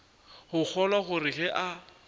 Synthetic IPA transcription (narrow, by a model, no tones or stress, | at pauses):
hʊk͡xʰɔlwaχʊrɪɣɛʔa